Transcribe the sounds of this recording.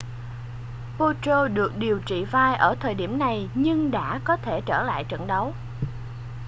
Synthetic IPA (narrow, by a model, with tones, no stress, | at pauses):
po˧t͡ɕo˧ɗɨ˨˩ək̚ɗi˨˩əwt͡ɕḭ˧˨vaː˧jʔəː˧˩t̪ʰəː˨˩jɗi˧˩əmna˨˩jɲɨ˧ŋɗa̰ː˧˥kɔ˨˦t̪ʰe˧˩t͡ɕəː˧˩la̰ː˧˨jt͡ɕə̰˧˨nɗə˨˦w